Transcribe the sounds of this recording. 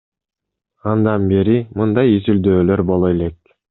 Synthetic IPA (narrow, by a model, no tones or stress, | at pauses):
ɑnd̪ɑnbeɾimɯnd̪ɑjizyld̪øːlø̞ɾbo̞lˠelek̚